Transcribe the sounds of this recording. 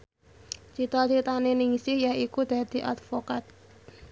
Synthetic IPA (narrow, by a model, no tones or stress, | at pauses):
t͡ʃit̪ɔlt͡ʃit̪anenɪŋsɪhjaikud̪̥ä̤d̪̥i̤ʔat̪fokat̪̚